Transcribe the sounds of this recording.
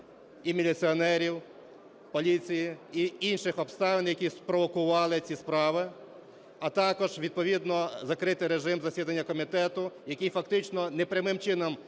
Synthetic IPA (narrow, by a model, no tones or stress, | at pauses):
imʲilʲit͡s̪ʲiɔnɛɾʲiw | pɔlʲit͡sʲijiiinʃɪxɔpst̪ɑʋɪnjɐkʲispɾɔʋɔkʊʋɑlˠɪt͡sʲispɾɑʋɪ | ɐt̪ɑkɔʒʋʲid̪̚pɔʋʲid̪nɔzɐkɾɪt̪ɪɾeʒɪmzɐsʲid̪ɐnʲːɐkɔmʲit̪ɛt̪ʊjɐkʲijfɐk̚t̪ɪt͡ʃnɔnɛpɾʲɐmɪmt͡ʃɪnɔm